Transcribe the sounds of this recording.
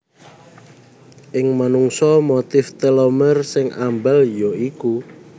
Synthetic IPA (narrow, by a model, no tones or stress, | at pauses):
ʔɪŋmanuŋsɔmot̪ɪft̪əlomərsɪŋʔa̰mbəljɔiku